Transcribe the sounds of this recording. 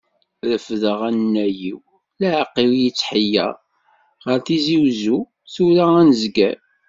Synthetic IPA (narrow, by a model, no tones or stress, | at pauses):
ɾəfðəʁænːæjiw | læʕqːiwjit͡sːħəjːæ̰ | ʁəɾθiziwzu | θuɾaænəzɡæ̰